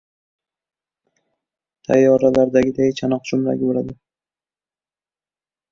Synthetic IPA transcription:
t̪ʰajːɒɾalaɾd̪aɡʲɪd̪ajɪt͡ʃʰanɒq̚d͡ʒʊmɾa̰ɡʲɪbolad̪ɪ

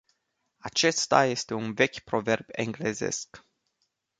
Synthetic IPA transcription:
at͡ʃe̞st̪aje̞st̪e̞unve̞kʲpɾo̞ve̞rbe̞̰ŋɡle̞zḛsk

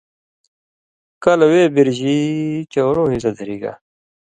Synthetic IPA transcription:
kɐlɐweːbiɾʑit͡ɕowɾoːɦisɐd̪ʱɐɾiːɡa̰

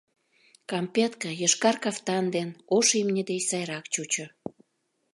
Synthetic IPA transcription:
kɑmpʲet̪kəjəʃkɑrkɑft̪ɑnd̪enoʃimnʲəd̪ejsɑjɾɑkt͡ɕut͡ɕŏ

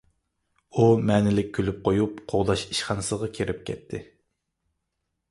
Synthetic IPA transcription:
umɛːnɪlɪk̚ʲʰːølyp̚qʰojupqʰoʁd̪ɑʃi̥ʃχɑnɨsɨʁɑkʲʰeɾɪp̚kʲʰɛ̰t̪ʰːɪ

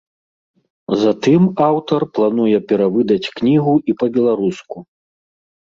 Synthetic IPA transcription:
zat̪ɨmawt̪ɐrplˠan̪ujɛpʲɛɾavɨd̪ɐt͡sʲknʲiɣuipɐbʲɛlˠaɾusku

